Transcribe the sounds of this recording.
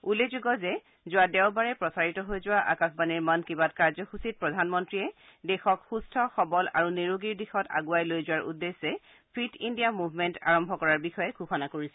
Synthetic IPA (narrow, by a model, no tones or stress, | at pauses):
ulezuɡɔzɛ | zʊwadɛwbaɹɛpɹɔsaɹitɔɦojzʊwaʔa̰kasbaniɹmankibat̚kaɹzɔxusit̚pɹɔdʱanmɔntɹiɛ | dɛxɔkxustʰɔxɔbɔla̰ɹuniɹoɡiɹdixɔta̰ɡuajlojzʊwaɹʔṵdːesːɛ | pʰɹitindiamubʱmɛnta̰ɹɔmbʱɔkɔɹaɹbixɔjɛɡʱuxɔnakoɹisɛ